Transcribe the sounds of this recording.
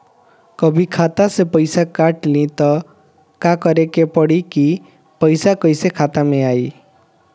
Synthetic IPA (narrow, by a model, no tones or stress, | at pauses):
kɔbʱikʰat̪asepʌjsakaʈlĩt̪ɔ | kakʌɾekepɔɽiki | pʌjsakʌjsekʰat̪ameaj